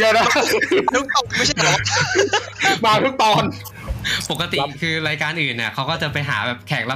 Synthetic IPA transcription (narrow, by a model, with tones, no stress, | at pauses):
jaː˧˩na˦˥˧t̪ʰu˦˥k̚t̪ɔː˨˩ma˥˩t͡ɕʰa˥˩˧l̚ː | maː˧t̪ʰuː˦˥k̚t̪ɔː˧n | po˨˩kːa˧t̪i˨˩kʰɯː˧ɾaː˧jkaː˧nʔɯː˨˩nːi˧˩ɐkʰa˦˥wkɔː˥˩t͡ɕa˨˩pa˧jɦa̰ː˩˦bɛː˨˩p̚kʰɛː˨˩k̚la˦˥